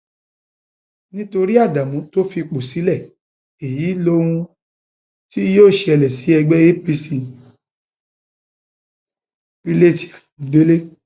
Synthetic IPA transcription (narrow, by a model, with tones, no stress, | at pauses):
nĩ˦to˧ɾi˦a˦˨da˨mũ˨˦to˦fi˧k͡po˨si˨˦lɛ˦˨ | e˨ji˨˦lõ˦ũ˧ | ti˦joː˦˨ʃe˧ɛ˧lɛ˨si˨˦ɛ˧ɡ͡bɛ˦e˦pi˧si˨ | pi˧le˦˨ti̥˨a˨de˦le˦